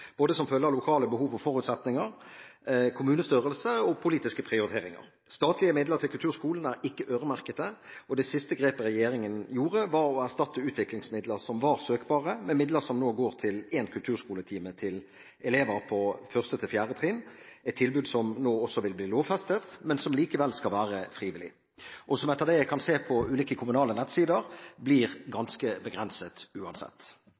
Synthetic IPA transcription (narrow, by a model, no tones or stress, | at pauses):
b̥oːd̪əsɔmfœːlːəʁlʊkʰɑːləbəhuːʋɑʋfɔʁʉːt̪sɛt̪nɪŋəɾ | kʰʊmʉːnəst̪yʁəlsəɔpʰʊliːt̪ɪskəpʰʁɪʊɾɪt̪ʰeːɾɪŋɑ̰ʁ | st̪ɑːt̪lɪəmɪd̪ləʁt̪ɪlkʰʉlt̪ʉːɾskuːln̩æɾɪkːəʔøːʁəmæʁkət̪əɔd̪ɛsɪst̪əɡʁeːpəɾɛjeːɾɪŋənjuːʁəʋɑɾɔæʁst̪ɑt̪ːəʉːt̪ʰʋɪklɪŋsmɪd̪ləʁsɔmʋɑːʁsøːkbɑːʁəmɛmɪd̪ləɾsɔmnoːɡoːʁt̪ʰɪlɛːnkʰʉlt̪ʰʉːʁskuːlət̪ʰiːmət̪ʰɪl | ɛleːʋəɾpʰɔfœʁst̪ət̪ʰɪlfjæːʁət̪ʰʁinɛt̪ʰːɪlbʉːd̪sɔmnoːɔsːɔʋɪlbliːloːʋfɛst̪ət̪mɛnsɔmliːkəʋɛlskɑlʋæːʁəfʁiːʋɪlɪ | ʔɔsɔmɛt̪ːəʁd̪ɛæɪkʰɑnseːpʰɔʉːliːkəkʰʊmʉnɑːlənɛt̪siːd̪əʁbliːʁɡɑnskəbəɡʁɛnsət̪ʉːɑnsɛ̰t̪ː